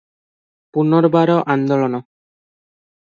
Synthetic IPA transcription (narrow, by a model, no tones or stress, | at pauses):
punɔɾbaɾɔʔand̪ɔlɔnɔ